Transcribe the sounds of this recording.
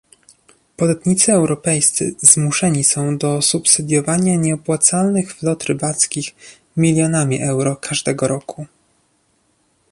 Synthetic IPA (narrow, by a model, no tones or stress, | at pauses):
pɔd̪at̪ɲit̪sɘɛwɾɔpɛjst̪sɘ̰z̥muʂɛɲisɔ̃w̃d̪ɔsupsɘd̪ʲjɔvaɲaɲɛɔpwat̪salnɘxflɔt̪ɾɘbat̪skʲix | mʲilʲjɔnamʲḭʔɛwɾɔkʰaʐd̪ɛɡɔɾɔkʰu